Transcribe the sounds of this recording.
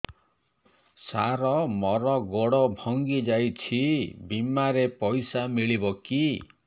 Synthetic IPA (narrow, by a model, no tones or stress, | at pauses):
saɾɔmɔɾɔɡɔɽɔbʱɔŋɡid͡ʒajt͡ʃʰibimaɾepɔjsamiɭibɔki